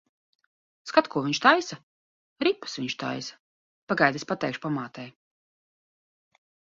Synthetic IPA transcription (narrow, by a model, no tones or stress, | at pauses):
skat̪kuɔviɲʃt̪ajsa | ɾipɨ̥sviɲʃt̪a̰jsḁ | paɡajd̪isʲpat̪ɛjkʃpamaːt̪ɛj